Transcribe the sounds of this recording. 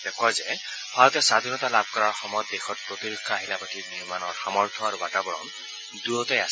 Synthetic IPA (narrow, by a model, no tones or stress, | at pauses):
tɛkɔjzɛ | b̥ʰʱaɹɔtɛsad̪ʱinɔtalab̚ʱkɔɹaɹxɔmɔjɔt̚dexɔt̚pɹotiɹukʰːaːɦilapatʰiniɹmanɔɹxamɔɹt̪ʰɔaɹubatabɔɹɔ̰n | duɔtɔjas